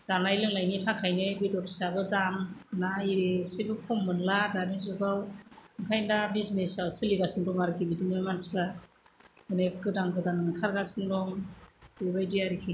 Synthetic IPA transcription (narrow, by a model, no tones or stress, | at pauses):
z̥anajlɯŋlajnitʰakʰajnɯbidɔpʰsabɯdamnaiɾesibɯkʰɔmːɯnladanizuɡawɡajndabiznesawsɯliɡasɯŋdɔŋaɾkʰibidinajmanspa | ɯnekːɯdaŋɡɯdanɯkʰaɾɡasɯŋdɔŋbebajdiaɾikʰi